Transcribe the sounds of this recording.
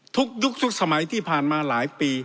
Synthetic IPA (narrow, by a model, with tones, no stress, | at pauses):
t̪ʰu˦˥k̚ju˦˥k̚t̪ʰu˦˥k̚sa˧ma˩˦jt̪ʰiː˥˩pʰaː˨˩nmaː˧laː˩˦jpiː˧